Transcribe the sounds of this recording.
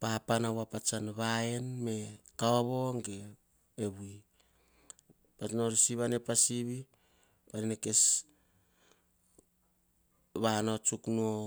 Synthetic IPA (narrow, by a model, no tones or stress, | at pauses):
papanawapat͡ʃanβaenme̞kaoβo̞ŋɡeː | βui | pat͡ʃnoɾisiβanepasiβi | panineke̞s | βanot͡ʃuknuo